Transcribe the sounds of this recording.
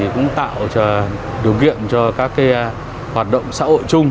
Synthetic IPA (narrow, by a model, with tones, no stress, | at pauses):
i˨˩kʊ̰˧˥ŋ͡mt̪a̰ː˧˨wt͡ɕɔ˧˩ | ɗi˨˩wkḭ˧˨əmt͡ɕɔ˧kaː˦˥kː | hwaː˨˩t̚ɗə̰˧˨wŋ͡msa̰ː˧˥ho̰˧˨jt͡ɕʊ˧ŋ͡m